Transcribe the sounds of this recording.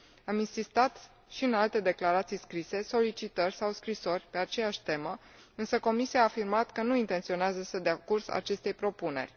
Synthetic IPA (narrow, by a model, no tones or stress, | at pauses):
aminsist̪at̪ | ʃiɨnalt̪e̞d̪e̞klaɾat̪sijskɾise̞so̞lit͡ʃit̪ərʲsawskɾiso̞rʲpe̞at͡ʃe̞jaʃʲt̪e̞mə | ɨnsəko̞misijaːfirmat̪kənuint̪e̞nt̪sio̞neazəsəd̪eakursa̰t͡ʃe̞st̪e̞jpɾo̞pune̞̰rʲ